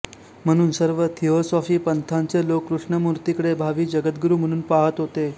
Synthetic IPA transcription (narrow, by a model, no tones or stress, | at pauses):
m̤əɽ̃uːnsəɾʋət̪ʰiɦosɔfiːpənt̪ʰãɲt͡selokːɾuʂɳəmuɾt̪ikəɽebʱaʋiːd͡ʑəɡət̪̚ɡɾuːm̤əɽ̃uːnpaɦət̪ɦot̪e